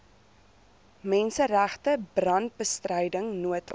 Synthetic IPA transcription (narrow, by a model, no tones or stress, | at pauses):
mɛnsəræχtəbrɐnt̚bəstrəjdəŋnuətʰ